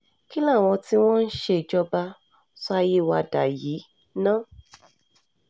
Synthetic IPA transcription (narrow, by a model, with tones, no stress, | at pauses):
ki˦la˦˨w̃ɔ̃˧ti˦w̃ɔ̃˦n̩˦ʃe˧˨d͡ʒɔ˧ba˧ | sɔ˦a˧je˦˨wa˧da˨ji˨˦ | nãː˦˨